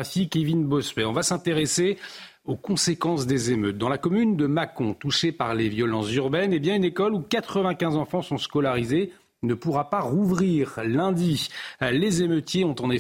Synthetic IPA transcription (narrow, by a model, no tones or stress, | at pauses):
fikivinbɔspɛɔ̃vasɛ̃t̪eʁese | okɔ̃sekɑ̃sd̪ezemøt̪̚d̪ɑ̃lakɔmynd̪əmakɔ̃t̪uʃepaʁlevjɔlɑ̃szyʁbɛnebjɛ̃ynekɔlukat̪χəvɛ̃kʲɛ̃zɑ̃fɑ̃sɔ̃skɔlaʁize | nəpuʁapaʁuvʁiʁlɛ̃d̪ilezemøt̪jeɔ̃t̪ɑ̃ne